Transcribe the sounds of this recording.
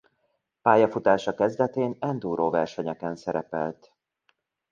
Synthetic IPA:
paːjɒfut̪aːʃɒkɛzd̪ɛt̪eːnɛnd̪uːɾoːvɛrʃɛɲɛkɛnsɛɾɛpɛ̰lt̪

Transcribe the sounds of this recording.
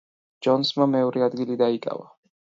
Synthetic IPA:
d͡ʒɔnsmamɛɔɾɛad̪ɡilid̪aikʼa̰va̰

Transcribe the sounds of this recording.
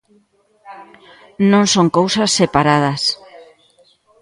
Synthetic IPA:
nõŋsoŋkowsɐsːepaɾað̞ɐs

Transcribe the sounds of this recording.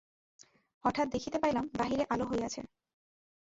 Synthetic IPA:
ɔʈʰat̪̚d̪ekʰit̪epajlambaɦiɾeʔaloɦoeat͡ɕʰḛ

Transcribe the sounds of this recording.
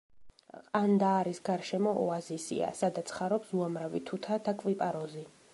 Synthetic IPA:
and̪aːɾisɡaɾʃɛmɔʔɔazisḭa̰sad̪at̪sʰχaɾɔpsuamɾavḭt̪ʰut̪ʰad̪̥akʼvipʼaɾɔzi

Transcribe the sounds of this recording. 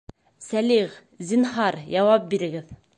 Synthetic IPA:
sæliʁ | zinɦɑɾjɑwɑp̚biɾɘ̆ɡɘð

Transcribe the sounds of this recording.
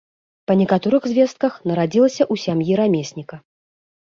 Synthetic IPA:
pɐnʲɛkat̪ɔɾɨɣzʲvʲɛst̪̚kɐxnɐɾad͡zʲilˠɐsʲɐʔusʲamjiɾamʲesʲnʲikɐ

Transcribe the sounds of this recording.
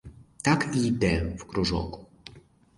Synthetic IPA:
t̪akid̪ɛfkɾuʐɔ̰ku̥

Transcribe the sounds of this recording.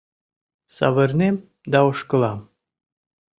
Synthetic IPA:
sɑ̰βɤ̆rnem | d̪ɑoʃkə̆lɑm

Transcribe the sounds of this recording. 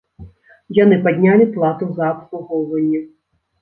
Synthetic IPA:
jan̪ɨpad̪ʲnʲalʲiplˠat̪uzɐːpsˠuɣɔwvɐnʲːɛ

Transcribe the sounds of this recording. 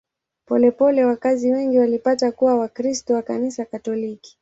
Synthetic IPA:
pɔlɛpɔlɛwakaziwɛŋɡiwalipatakuwawakɾistɔwakanisakatɔliki̥

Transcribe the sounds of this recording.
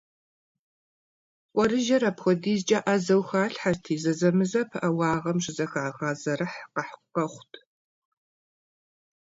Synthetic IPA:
qʷʼɔɾɨʒɐɾɐpxʷɔdiːzt͡ʃʼɐʔɐzɐwxaːɬħartʰiːzɐzɐmɨzɐpʰʔɐwɑːʁɐmɕɪzɐxaːʁɐːzɐrɨħqɐħqɐχʷtʰ

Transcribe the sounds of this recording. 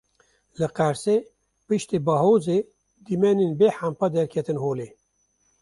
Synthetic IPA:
lɨqɛɾseː | pɨʃt̪iːbɑːɦoːzeː | d̪imɛneːnbeːħampad̪ɛɾkʰɛt̪ɨnɦoːleː

